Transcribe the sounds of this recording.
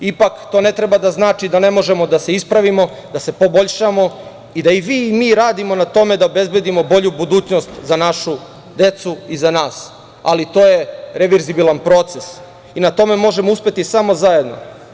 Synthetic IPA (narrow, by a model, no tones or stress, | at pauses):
ipakt̪o̞ːne̞t̪ɾe̞bad̪aznaːt͡ʃid̪ane̞mo̞ʒe̞mo̞d̪ase̞ispɾaʋimo̞ | d̪ase̞po̞bo̞ʎʃamo̞ | id̪aiʋiːmiːɾaːd̪imo̞nat̪o̞me̞d̪aobe̞zbe̞d̪imo̞bo̞ʎubud̪uːt͡ɕno̞st̪zanaʃu | d̪e̞t̪suizanaːs | a̰lit̪o̞ːje̞ɾeʋeɾzibilˠanpɾo̞t̪ses | inat̪o̞me̞mo̞ʒe̞mouspe̞t̪isamo̞zaje̞d̪no̞̰